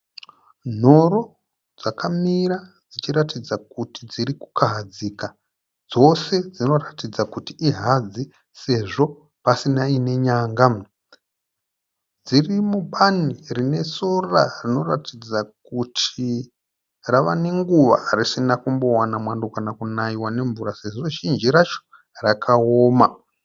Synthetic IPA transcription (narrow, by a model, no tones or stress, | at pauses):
n̤o̞ɾo̞ | d͡zakamiɾad͡zit͡ʃiɾatid͡zakutid͡ziɾiku̥kaɦad͡zika | d͡zo̞se̞d͡zino̞ratid͡zakutiʔiɦad͡zi | se̞ʐo̞ | pasinaine̞ɲaːŋɡa | d͡zirimuɓanirine̞so̞rarino̞ratʰid͡zakutʰi | raʋane̞ŋɡuʋa̰ːrisinakumbo̞wanamwandokanakunaiwane̞ɱvuɾase̞ʐo̞ʒind͡ʒiɾat͡ʃo̥ | rakʰaoːma